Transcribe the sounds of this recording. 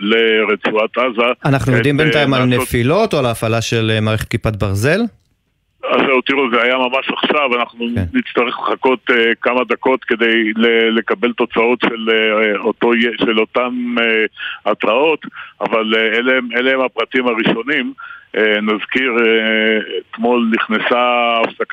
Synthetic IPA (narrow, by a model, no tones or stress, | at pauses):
leʁet͡suat̪azaanaχnujod̪imbentajimalnefilo̞t̪oalaːfalaʃe̞lemaːʁeχet̪̚kipat̪̚baʁze̞l | aʃaot̪iʁozeajamamaʃaχʃavanaχnunnitt͡st̪aʁeχleχako̞t̪ekamad̪ako̞t̪ke̞d̪ejlele̞kabelt̪o̞t͡sao̞t̪ʃelot̪ojeʃelo̞t̪ameat̪ʁao̞t̪a̰valeleemeleemapʁat̪imaʁiʃo̞nimenazkiʁeet̪mo̞lniχnesaːfsaka